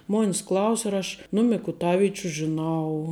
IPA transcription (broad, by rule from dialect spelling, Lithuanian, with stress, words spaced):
ˈmoːnʲs ˈklˠɐʊsʲ ɐr ˈɐʃ nʊ mʲɪkʊˈtɑːʋʲɪt͡ʃʲʊ ʒʲɪˈnɐʊ